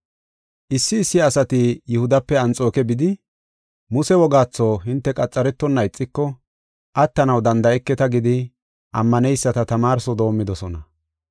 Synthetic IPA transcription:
ʔɪsːɪːsːɪɐːsɐt̪ɪjʊhʊd̪ɐpːɛɐnt͡sʼo̞ːkɛbɪd̪ɪ | mʊsɛwɔɡaːt͡sːoːɦɪnt̪ːɛkʼɐt͡sʼːɐɾɛt̪ːɔnːɐɪt͡sʼːɪkːɔ | ʔɐt̪ːɐnɐwd̪ɐnd̪ɐʔɛkːɛt̪ɐɡɪd̪ɪ | ʔɐmːɐnɛjsːɐt̪ɐt̪ɐmaːɾsɔd̪o̞ːmːɪd̪ɔsɔnɐ

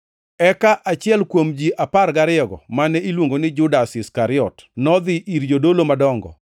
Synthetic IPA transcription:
ɛkaʔat͡ʃɪɛlkwomd͡ʒiʔaparɡaɾɪɔɡɔ̰manɛilwoŋɡonɪd͡ʒʊdasɪskaɾɪɔtnɔd̪ɪʔiɾd͡ʒodolomadɔŋɡɔ̰

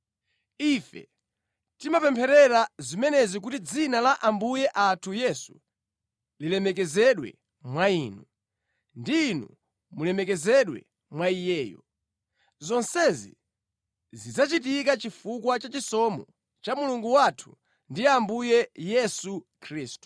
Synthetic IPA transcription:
ifɛ̰ | timapɛmpʰɛɾɛɾazimɛnɛzik̬utid͡zinalaʔambujɛʔatʰujɛsu | lilɛmɛk̬ɛzɛɗwɛ̰ | mwaiːnu | ndiːnṵ | mulɛmɛkɛzɛɗwɛ̰ | mwaijɛːjɔ̰ | zɔnsɛzḭ | zizat͡ʃit̬ikat͡ʃifukwat͡ʃat͡ʃisɔmɔ | t͡ʃamuluŋɡuwatʰu̥ | ndiambujɛjɛsukʰɾiːstu̥

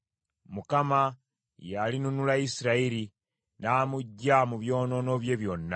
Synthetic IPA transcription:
mukama | jalinunulaisiɾaiɾi | naːmuɟːamuβjo̞ːno̞no̞βje̞βjonːa

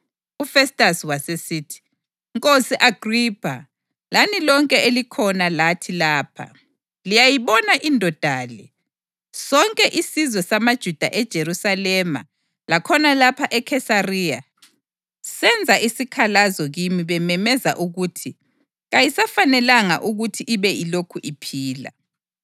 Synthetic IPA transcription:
ufɛstʼasiwasesiːtʰi̥ | ŋkʼosiʔaɡ̥ʱripʰa | lanilɔŋkʼɛelikʰɔnalatʰilaːpʰa̰ | lijajiβɔnaʔindʱɔd̥ʱaːlɛ | sɔŋkʼɛʔisizwɛsamad̥ʒ̥ʱud̥ʱa̰ʔɛd̥ʒ̥ʱeɾusalɛma̰ | lakʰɔnalapʰaʔɛkʰɛsarija | sɛnd͡zʱaʔisikʰalazɔɣimiβɛmɛmɛza̰ʔuɣutʰi | ɣajisafanɛlaŋa̰ʔuɣutʰiʔiβɛilokʰuʔipʰiːla̰

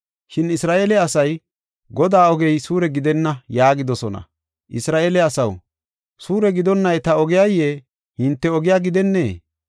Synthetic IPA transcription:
ʃɪnɪsɾaːʔeːlɛɐsɐj | ɡɔd̪aːɔɡɛjsuːɾɛɡɪd̪ɛnːɐjaːɡɪd̪ɔsɔnɐ̰ | ʔɪsɾaːʔeːlɛɐsɐw | suːɾɛɡɪd̪ɔnːɐjt̪ɐɔɡɪjajːeː | hɪnt̪ːɛɔɡɪjaːɡɪd̪ɛnːe̞̰ː

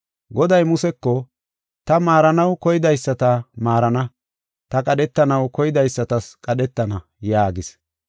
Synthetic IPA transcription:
ɡɔd̪ɐjmʊsɛkːɔ | t̪ɐmaːɾɐnɐwkɔjɪd̪ɐjsːɐt̪ɐmaːɾɐnɐ | t̪ɐkʼɐɗɛt̪ːɐnɐwkɔjɪd̪ɐjsːɐt̪ɐskʼɐɗɛt̪ːɐnɐ | jaːɡɪs

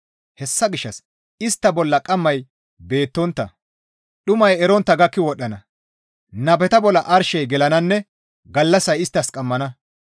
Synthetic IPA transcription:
hɛsːɐɡɪʃːɐs | ɪst̪ːɐbɔlːɐkʼɐmːɐj | be̞ːt̪ːɔnt̪ːɐ̰ | ɗʊmɐjɛɾɔnt̪ːɐɡɐkːɪwɔɗːɐnɐ | nɐbɛt̪ɐbɔlːɐʔɐɾʃɛjɡɛlɐnɐnːɛ | ɡɐlːɐsɐjɪst̪ːɐskʼɐmːɐnɐ

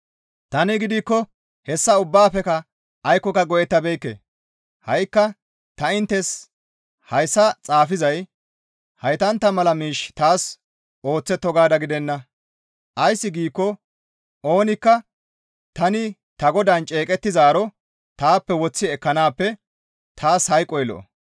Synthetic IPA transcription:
t̪ɐnɪɡɪd̪ɪkːɔ | hɛsːɐʊbːaːpːɛkɐ | ɐjkːɔkɐɡɔʔɛt̪ːɐbɛjkːḛː | hɐjkːɐ | t̪ɐɪnt̪ːɛs | hɐjsːɐt͡sʼaːfɪzɐj | hɐjt̪ɐnt̪ːɐmɐlɐmiːʃt̪aːs | ʔo̞ːt͡sːɛt̪ːɔɡaːd̪ɐɡɪd̪ɛnːɐ | ʔɐjsːɪɡiːkːɔ | ʔo̞ːnɪkːɐ | t̪ɐnɪ | t̪ɐɡɔd̪ant͡ʃʼe̞ːkʼɛt̪ːɪzaːɾɔ | t̪aːpːɛwɔt͡sːɪɛkːɐnaːpːɛ | t̪ʰaːshɐjkʼɔjlɔ̰ʔɔ̰

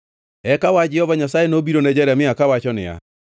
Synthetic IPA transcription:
ɛkawad͡ʒɛhɔvaɲasaːenoːbiɾonɛd͡ʑɛɾameakawaʃɔnḛa̰

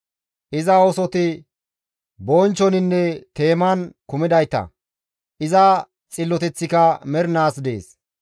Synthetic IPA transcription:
ʔɪzɐosɔt̪ɪ | boːnt͡ʃːɔnɪnːɛt̪e̞ːmɐnkʊmɪd̪ɐjt̪ːɐ̰ | ʔɪzɐ | t͡sʼɪlːɔt̪ɛt͡sːɪkɐmɛɾnaːsd̪e̞̰ːs

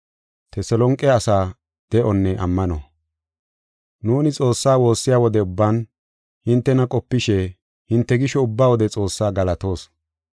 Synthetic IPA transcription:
t̪ɛsɛlɔŋkʼːɛɐsaː | d̪̥ɛʔɔnːɛʔɐ̰mːɐnɔ | nuːnɪt͡sʼo̞ːsːaːwo̞ːsːɪjaːwɔd̪ɛʊbːaːn | hɪnt̪ːɛnɐkʼɔpːɪʃɛ | hɪnt̪ːɛɡɪʃɔʊbːaːwɔd̪ɛt͡sʼo̞ːsːaːɡɐlɐt̪o̞ːs

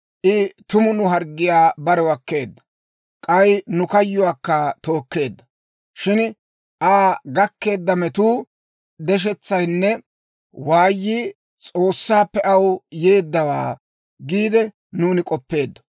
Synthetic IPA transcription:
ʔɪt̪ʊmʊnʊɦɐɾɡːɪjaːbɐɾɛwɐkːe̞ːd̪ːɐ | kʼɐjnʊkɐjːʊwaːkːɐt̪o̞ːkːe̞ːd̪ːɐ | ʃɪn | ʔaːɡɐkːe̞ːd̪ːɐmɛt̪uː | d̪ɛʃ̬ɛt͡sːɐjnːɛ | waːjːi | t͡sʼo̞ːsːaːpːɛʔɐwje̞ːd̪ːɐwa̰ː | ɡiːd̪ɛ | nuːnɪkʼɔpːe̞ːd̪ːɐ̥

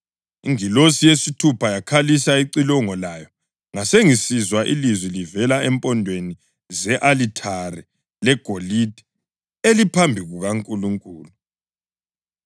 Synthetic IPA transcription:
iŋilosijesitʰupʰajakʰalisaiǀilɔŋɔlaːjɔ | ŋaseŋisizwaʔilizwilivɛlaɛmpʼɔndʱweni | zɛʔalitʰaɾɛ | lɛɡ̥ʱolidʱɛ̥ | elipʰambʱiɣuɣaŋkʼuluŋkʼuːlu

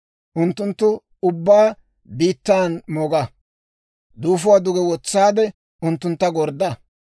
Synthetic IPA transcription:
ʔʊnt̪ːʊnt̪ːʊ | ʊbːaː | biːt̪ːaːnmoɡɐ | d̪uːfʊwad̪ʊɡɛwɔt͡sːaːd̪ɛ | ʊnt̪ːʊnt̪ːɐɡɔɾd̪ɐ

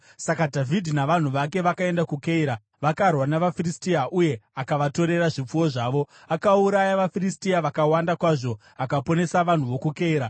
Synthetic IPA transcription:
sakadʱavʱidʱinaʋan̤uʋake̞ʋakae̞ndakukeiɾa | ʋakarwanaʋafiristiaʔuje̞akaʋato̞ɾe̞ɾaʐip͡fuwo̞ʐaːʋo̞ | akauɾajaʋafiristiaʋakawandakwaʐo̞ | akapo̞ne̞saʋan̤uʋo̞kukeiːɾa

